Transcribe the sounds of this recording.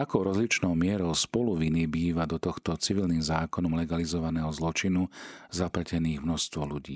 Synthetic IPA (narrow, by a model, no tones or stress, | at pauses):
akɔʊɾɔzlit͡ʃnɔʊmɪɛɾɔʊspɔluʋinibiːʋad̪ɔt̪ɔxt̪ɔt͡siʋilnimzaːkɔnɔmlɛɡalizɔʋanɛːɦɔzlɔt͡ʃinuzaplacɛniːɣmnɔst̪ʋɔluɟḭː